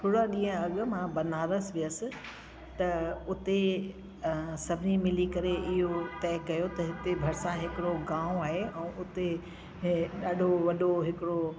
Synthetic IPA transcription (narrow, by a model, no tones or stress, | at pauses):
t̪ʰoːɽaɗĩːə̃ɐɠmãbɐnaːɾəsʋɪəsɪ̆ | t̪ɐʊt̪e | sɐbʱɪnimɪlikɐɾeʔɪɦot̪ɛːkɐjot̪ɐɦɪt̪ebʱɐɾɪsãɦɪkɪɽoɡãːʊ̃aːɦeɛ̃ːʊt̪e | ɗaːɗʱoʋɐɗoɦɪkɪɽo